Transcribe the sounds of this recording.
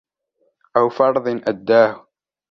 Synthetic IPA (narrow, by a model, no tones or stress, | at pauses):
ʔawfɑɾˤðˤɨnʔad̪ːaːhʊ